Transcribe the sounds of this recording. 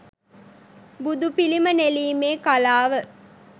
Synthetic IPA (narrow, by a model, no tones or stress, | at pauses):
bud̪upiliməneliːmeːkalaːʋə